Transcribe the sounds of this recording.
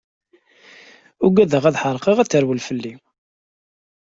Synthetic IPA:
ʊɡæðəʁæðħəɾˤqeʁæt͡sːəɾwəlfəlːi

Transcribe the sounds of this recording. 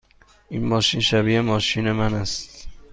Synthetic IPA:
ʔinmɒːʃinʃæbiːʔemɒːʃiːne̞mænæst̪

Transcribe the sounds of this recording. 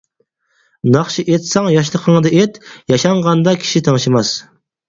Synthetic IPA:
nɑχʃiʔet̪sɑŋjɑʃ̬lˠəqʰəŋd̪ɨʔet̪jɑʃɑɴʁɑnd̪ɑkʲʰi̥ʃit̪ʰɑŋʃɪmɑs

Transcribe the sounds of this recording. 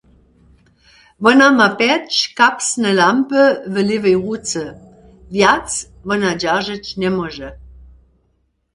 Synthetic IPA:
vənamapɛt͡ʃkapsnəlampəvəlɪvəjʁut͡sə | vjat͡s | vənad͡ʒaʒət͡ɕnɛmɔʒə

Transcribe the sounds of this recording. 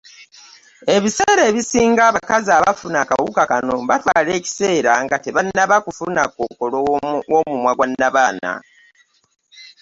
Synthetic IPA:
e̞βiseːɾe̞ːβisiːŋɡaβakazaːβafunakawukakano̞βatwaːle̞ːci̥se̞ːɾaŋɡateβanːaβakufunakokolowomumwaɡwanːaβaːna̰

